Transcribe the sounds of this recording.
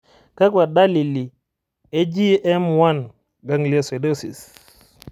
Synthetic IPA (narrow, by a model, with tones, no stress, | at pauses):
ka˦kwa˨da˦li˨li˨ | e˦d͡ʒi˦ɛ˦mwa˦˨n | ɡa˦ŋli˦e˦se˨do˦sḭ˨s